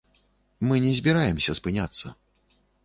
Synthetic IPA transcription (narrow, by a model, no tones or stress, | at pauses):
mɨnʲɛzʲbʲiɾajɛmsʲɐspɨnʲat̪sːɐ